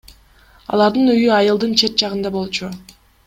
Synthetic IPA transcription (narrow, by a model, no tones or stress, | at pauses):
ɑ̰lˠɑɾd̪ɯnyjyɑjɯlˠd̪ɯnt͡ʃʰe̞t̪̚t͡ʃɑʁɯnd̪ɑbo̞lˠt͡ʃʰu